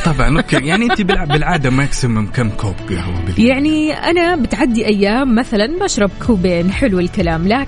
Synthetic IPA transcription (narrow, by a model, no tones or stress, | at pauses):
t̪ˤɑbʕɑnʔkːɪɾjaʕniʔɪnt̪ibɪlbɪlʕaːd̪amajɪksɪmʊmkamːkʰoːbkɪhwbɪljaʕniʔanabɪt̪ʕad̪ːiʔajːaːmːaθalanmaʔaʃɾˤɑbkʰuwbeːnħɪlwɪlkalaːmlaː